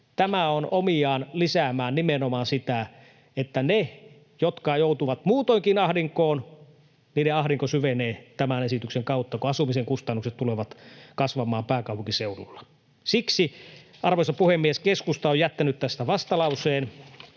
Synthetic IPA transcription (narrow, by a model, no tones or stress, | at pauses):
t̪æmæonomiɑːnlisæmæːnnimenomɑnsit̪æ | et̪ːæne | jot̪kɑjout̪uʋɑt̪muːt̪oiŋkinɑhdiŋkoːn | niːdeɑhɾiŋkosyʋeneːt̪æmænesit̪ykseŋkɑut̪ːɑkoɑsumiseŋkust̪ɑnːukset̪t̪ːuleʋɑt̪kɑsʋɑmˑɑːmpæːkɑupuŋkiseulṵlːɑ̥ | siksiʔɑrʋoisɑpuhemːieskeskust̪ɑojæt̪ːænyt̪t̪æst̪æʋɑst̪ɑlɑuseːn